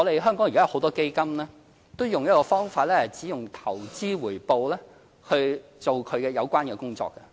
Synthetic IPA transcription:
ŋɔ˨˧e˨jɦœː˥ŋkɔː˨˥ŋjkaː˥˨˩ho˨˧wt̪ɔː˥ke˥jkɐ˥mlɛː˥ | t̪o˥wjʊ˨ŋjɐ˥t̚kɔː˧fɔː˥ŋfaː˧t̚lɛ˥hɐ˨˩jt͡siː˨˥jʊ˨ŋt̪ʰɐ˨˩wt͡siː˥wuː˨˩jpo˨wlɛː˥ | hɵ˧ɥt͡so˨wkʰɵ˨˧ɥkɛː˧jɐ˨˧wkʷaː˥nkɛː˧kʊ˥ŋt͡sɔ̰ː˨˧kːɐ˧

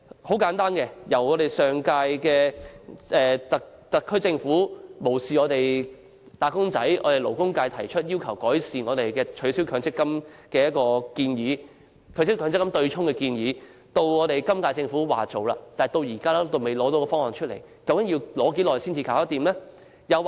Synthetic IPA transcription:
ho˨˥wkaː˨˥nt̪aː˥nkɛ˧jɐ˨˩wŋɔː˨˧ɾe˨˩jsœː˨ŋkaː˧jkɛː˧ | ɛː˨t̪ɐ˨ | t̪ɐ˨˩kʰːɵ˥ɥt͡sɪ˧ŋfuː˨˥mo˨˩wsiː˨ɔː˨˧t̪e˨j | t̪aː˨˧kʊ˥ŋt͡sɐ˨˥jʔɔː˨˧ɾe˨˩jlo˨˩wkʊ˥ŋkaː˧jt̪ʰɐ˨˩jt͡ʃʰɵ˥t̚jiː˥wkʰɐ˨˩wkɔː˨˥jsiː˨˩nŋɔː˨˧t̪e˨jkɛː˧t͡ʃʰɵ˨˧ɥsi˨˥wkʰœː˨˧ŋt͡sɪ˥kːɐ˥mkɛː˧jɐ˥t̚kɔː˧kiː˧njiː˨˧ | kʰœ˨˧˥si˨˥wkʰœ˨˧ŋt͡sɪ˥kːɐ˥mt̪ɵ˧ɥt͡ʃʰʊ˥ŋkɛ˧kiː˧njiː˨˧ | t̪o˧wŋɔː˨˧t̪e˨˩jkɐ˥mkaː˧jt͡sɪ˧ŋfuː˨˥wa̰ː˨˩t͡so˨wlaː˧t̪aː˨˩jt̪o˧wjiː˨˩kaː˥laː˥t̪o˧wme˨˩jlɔː˨˥t̪o˨˧wkɔː˧fɔː˥ŋhɔː˨ŋt͡ʃʰɵ˥le˨˩j | kɐ˨˧˥wkɐ˨˥ŋji˧wlɔː˨˥ke˨˥jlɔː˨jsiː˥nt͡sʰiː˧kaː˨˥wɐ˥t̪iː˨mlɛ˥ | jɐ˨˧w

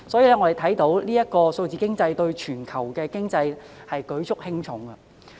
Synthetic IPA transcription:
sɔː˨˥jiː˨˧lɛ˥ŋɔ˧d̪e˨˩t̪ʰɐ˨˥jt̪o˨˥wliː˥jɐ˥t̚kɔː˧so˧wt͡siː˨kɪ˥ŋt͡sɐ˧jt̪ɵ˧ɥt͡ʃʰyː˨˩nkʰɐ˨˩wkɛː˧kɪ˥ŋt͡sɐ˧j | hɐ˨jkɵ˨˥ɥt͡sʰʊ˥k̚hɪ˥ŋt͡ʃʰʊ˨˥ŋɡɐ˧

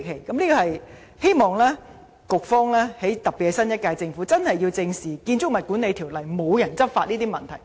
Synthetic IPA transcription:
kʰe˨˩jkɐ˨˦mliː˥kɔː˧hɐ˨j | he˥jmɔː˨ŋlɛː˥ | kʊ˨k̚fɔː˥ŋlɛː˥he˨˥jt̪ɐ˨˩p̚piː˨t̚kɛ˧sɐ˥njɐ˥t̚kaː˧jt͡sɪ˧ŋfu˨˥t͡sɐ˥nhɐ˨˩jːiː˧wt͡sɪ˧ŋsiː˨˩kiː˧nt͡sʊ˥k̚mɐ˨t̚kuː˨˥nːe˨˧jt̪ʰiː˨˩wlɐ˨˩jmo˨˧wjɐ˨˩nt͡sɐ˥p̚fa̰ː˧t̚niː˥t̪iː˥mɐ˨˩nt̪ʰɐ˨˩j

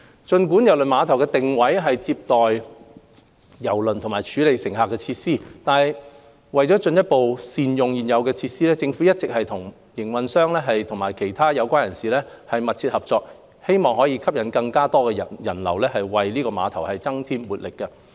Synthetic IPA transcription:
t͡ʃɵ˧nkuː˨˥njɐ˨˩wlɵ˨nmaː˨˧˥t̪ʰɐ˨˩wkɛ˧t̪ɪ˨ŋwɐ˨˥jɦɐ˨jt͡siː˧p̚t̪ɔː˨j | jɐ˨˩wlɵ˨nt̪ʰʊ˨˩ŋmaː˨˩t͡ʃʰyː˨˥le˨jsɪ˨˩ŋɦaː˨kːɛː˧t͡sʰiː˧t̚siː˥t̪aː˨˧nɦɐ˨j | wɐ˨jt͡ʃɔː˨˥t͡ʃɵ˧njɐ˥t̚po˨wsiː˨˧njʊ˨ŋjiː˨˩njɐ˨˧wkɛː˧t͡sʰiː˧t̚siː˥lɛː˥t͡sɪ˧ŋfuː˨˥jɐ˥t̚t͡sɪ˨k̚hɐ˨jt̪ʰʊ˨˩ŋ | jɪ˨˩ŋwɐ˨nsœː˥ŋlɛː˥ɦɐ˨jt̪ʰʊ˨˩ŋmaː˨˩jkʰe˨˩jt̪ʰaː˥jɐ˨˧wkʷaː˥njɐ˨˩nsiː˨lɛː˥ | hɐ˨jmɐ˨t̚t͡sʰi˧t̚hɐ˨p̚t͡sɔː˧k̚ | he˥jmɔː˨ŋhɔː˨˥jiː˧kʰɐ˥p̚jɐ˨˥nkɐ˧ŋkaː˥t̪ɔː˥kɛ˧˨jɐ˨˩nlɐ̰˨˩wlɛː˥ɦɐ˨jwɐ˨jliː˥kɔː˧ma̰ː˨˧t̪ʰɐ˨˩whɐ˨jt͡sɐ˥ŋt̪ʰiː˥mwuː˨˩t̚lɪ˨kːɐ˧

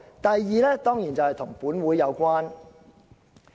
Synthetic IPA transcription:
t̪ɐ˨jːiː˨˧lɛː˥t̪ɔː˥ŋjiː˨˩nt͡sɐ˨˩whɐ˨jt̪ʰʊ˨˩ŋpuː˨˥nwuː˨˥jːɐ˨˧wkʷaː˥n

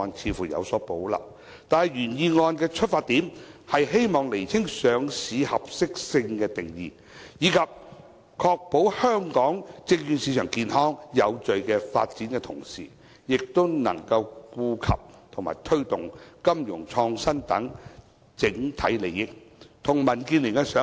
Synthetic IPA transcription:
ɔː˧nt͡sʰiː˨˧fuː˨˩jɐ̰˨˧wsɔː˨˥po˨˥wlɐ̰˨p̚ | t̪aː˨nhɐ˨˩jyː˨˩njiː˨˧ŋɔː˧nkɛː˧t͡ʃʰɵ˥t̚faː˧t̪iː˨˥mhɐ˨jɦe˥jmɔː˨ŋle˨˩jt͡sʰɪ˥ŋsœː˨˧ŋsiː˨˧hɐ˨p̚sɪ˥k̚sɪ˧ŋkɛː˧t̪ɪ˨ŋjḭː˨˩ | jiː˨˧kʰɐ˨p̚ | kʰɔː˧k̚po˨˥whœː˥ŋkɔː˨˥ŋt͡sɪ˧ŋjyː˨˧nsiː˧˥t͡ʃʰœː˨˩ŋkiː˨˧nhɔː˥ŋjɐ˨˧wt͡sɵ˨ɥkɛː˧fa̰ː˧t̚t͡siː˨˥nkɛ˧t̪ʰʊ̰˨˩ŋsḭː˨ | jɪ˨k̚t̪ʊ˥wnɐ̰˨˩ŋkɐ˧wkuː˧kʰɐ̰˨p̚t̪ʰʊ˨˩ŋma̰ː˨˩jt̪ʰɵ˥ɥt̪ʊ˨˩ŋkɐ˥mjʊ˨˩ŋt͡ʃʰɔː˧ŋsɐ˥nt̪ɐ̰˨˥ŋ | t͡sɪ˨˥ŋt̪ʰɐ̰˨˥jle˨jɪ˥k̚t̪ʰʊ˨˩ŋmɐ˨˩nkiː˧nlɪ˨˩ŋkɛ˧sœː˨˥

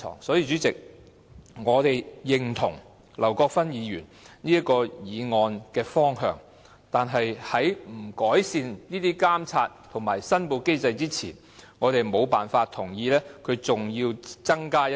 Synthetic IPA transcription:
ɔ̰ː˨˩ŋsɔː˨˥ji˧t͡ʃyː˨˥t͡sɪ˨k̚ | ŋɔː˨˧t̪e˨jjɪ˨ŋt̪ʰʊ˨˩ŋ | lɐ˨˩wkɔː˧k̚fɐ˥njiː˨˧jyː˨˩nniː˥jɐ˥t̚kɔː˧jiː˨˧ŋɔː˧nkɛː˧fɔː˥ŋɦœ̰ː˧ŋ | t̪aː˨nɦɐ˨jhɐ˨˥jm̩˨˩kɔː˨˥jsiː˨˧nniː˥t̪iː˥kaː˥mt͡sʰaː˧t̚t̪ʰʊ˨˩ŋmaː˨˩jsɐ˥npo˨˧wke˥jt͡sɐ˧jt͡siː˥t͡sʰḭː˨˩n | ŋɔː˨˧t̪e˨jmo˨˧wpaː˨nfaː˧t̚t̪ʰːʊ˨˩ŋjiː˧lɛː˥kʰɵ˨˧ɥt͡sʊ˨ŋjiː˧wt͡sɐ˥ŋkaː˥

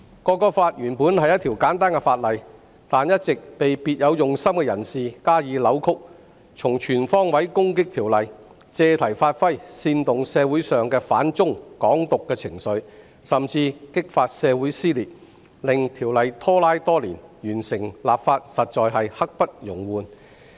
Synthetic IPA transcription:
kɔː˧kːɔː˧faː˧t̚jyː˨˩npuː˨˥nhɐ˨jːɐ˥t̪ʰiː˨˩wkaː˨˥nt̪aː˥nkɛ˧faː˧t̚lɐ˨j | t̪aː˨njɐ˥t̚t͡sɪ˨k̚pe˨jpiː˧t̚jɐ˨˧wjʊ˨ŋsɐ˥mkɛ˧jɐ˨˩nsiː˨kaː˥jiː˨˧lɐ˨˧wkʰʊ˥k̚ | t͡sʰʊ˨˩ŋt͡ʃʰyː˨˩nfɔː˥ŋwɐ˨˥jkʊ˥ŋkɪ˥k̚t̪ʰiː˨˩wlɐ˨j | t͡sɛː˧t̪ʰɐ˨˩jfaː˧t̚fɐ˥jsiː˧nt̪ʊ˨ŋsɛː˧wu˨˥jsœː˨ŋkɛː˧faː˨˥nt͡sʊ˥ŋkɔː˨˥ŋt̪ʊ˨kːɛː˧t͡sʰɪ˨˩ŋsɵ˨˧ɥ | sɐ˨˩mt͡siː˧kɪ˥k̚faː˧t̚sɛː˨˧wu˨˥jsiː˥liː˨˩t̚ | lɪ˨ŋt̪ʰiː˨˩wlɐ˨jt̪ʰɔː˥laː˥jt̪ɔː˥liː˨˩njyː˨˩nsɪ˨˩ŋlaː˨p̚faː˧t̚sɐ˨t̚t͡ʃɔː˨˧jɦɐ˨jhɐ˥k̚pɐ˥t̚jʊ˨˩ŋwuː˨n

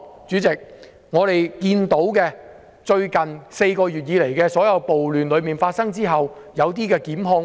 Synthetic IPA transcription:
t͡ʃyː˨˥t͡sɪ˨k̚ | ŋɔː˨˧t̪e˨jkiː˧nt̪o˨˥wkɛː˧ | t͡ʃɵ˧ɥkɐ˨˩nse˧jkɔː˧jyː˨˩t̚jiː˨˧le˨˩jkɛː˧sɔː˨˥jɐ˨˧wpo˨wlyː˨nlɵ˨˧ɥmiː˨˩nfaː˧t̚sɐ˥ŋt͡siː˥ɦɐ˨wjɐ˨˧wt̪iː˥kɛː˧kiː˨˥mɦɔː˧

